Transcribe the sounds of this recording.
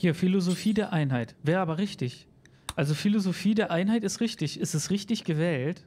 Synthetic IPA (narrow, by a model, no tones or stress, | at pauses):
hiːɐfilozofiːdeːɐʔaɪnɦaɪtvɛːɐʔaːbɐʁɪçtɪç | ʔalzofilozofiːdeːɐʔaɪnɦaɪtɪstʁɪçtɪçɪstɛstʁɪçtɪçɡ̥əvɛːlt